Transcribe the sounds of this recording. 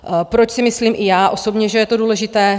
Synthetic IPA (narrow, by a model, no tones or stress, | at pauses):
pɾo̞t͡ʃsɪmɪsliːmʔɪjaːʔo̞so̞bɲɛʒɛjɛt̪o̞duːlɛʒɪt̪ɛː